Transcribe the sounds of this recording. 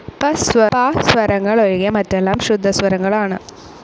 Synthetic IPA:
pɐsʋɐpaːsʋɐɾɐŋɡɐɭɔɻɪɣɐmɐʈrɛlːaːmʃʊd̪ʱːɐsʋɐɾɐŋɡɐɭaːnɐ

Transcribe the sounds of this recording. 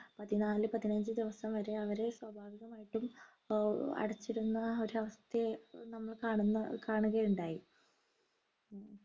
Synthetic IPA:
pɐt̪ːinaːlɨpɐt̪ːinɐɲd͡ʑɨd̪iʋɐsɐmʋɐɾe̞ɐʋɐɾe̞swɐbʱaːʋiɣɐmaːjiʈːum | ɐ̰ɽɐt͡ɕːiɽunːɐo̞ɾuɐʋɐst̪enɐmːɐɭkaːɳunːɐkaːɳuɣɐjuɳɖaːji

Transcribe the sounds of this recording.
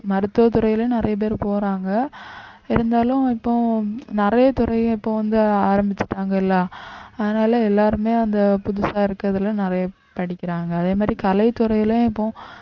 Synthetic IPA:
mɐɾɯt̪ːoːt̪ʊɾɐjɪlnɪɾɐjɐp̬eːɾpoːɾaːŋɡɐ | ɪɾɯnd̪aːlʊ̃ɪpːõnɪɾɐjɐt̪ʊɾɐɪ̃ɪpːõːʋɐnd̪ɯaːɾɐmbɪt͡ʃːɪ̥ʈːaːŋɡɐɪlːãːɐðɐnaːlɐɛlːaːɾɯmeːɐnd̪ɐpʊðʊsaːɪɾɯkːɾɐðɯlɐ̃nɪɾɐjɐ | pɐɽɪkʲːɪɾaːŋɡɐːðeːmaːd̪ɾikɐlɐɪt̪ːʊɾɐjɪlj̃ɪpːõ

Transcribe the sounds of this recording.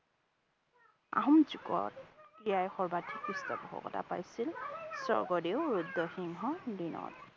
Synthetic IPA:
a̰ɦɔmzukɔ̰t̚kijajxɔɹbatʰikɹistabɔɦɔ̰kɔta̰pajsilsɔ̰ɹɡɔdewɹudːɔxiŋɦɔdinɔ̰t̚

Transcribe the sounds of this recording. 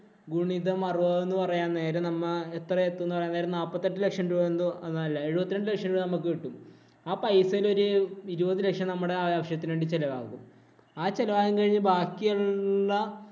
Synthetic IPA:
ɡuɳiðɐmɐruʋɐːenːupɐrɐjaːnne̞ːɾɐnɐmːɐet̪rɐet̪ːunːupɐrɐjaneːɾɐmnaːpːɐt̪ːeʈːɨle̞kʂɐmduonɐuenːaɐlːɐe̞ɻubɐt̪ːineɳɖɨle̞kʂɐmuɭnɐmːɐkːɨiʈːum | aːpɐjsɐilo̞ɾuiɾubɐðɨle̞kʂɐmnɐmːuɽe̞aʋjaːʋɐʂjɐt̪ːineːɳɖit͡ɕelɐʋa̰ːɣum | aːt͡ɕe̞lɐʋaːɣɐmkɐɻiɲːɨbʱaːkːijɐːɐ

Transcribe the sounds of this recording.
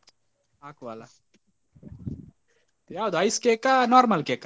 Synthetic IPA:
aːkʋaːla | t̪jaːd̪ajskekanoːɾmɐlkeːka

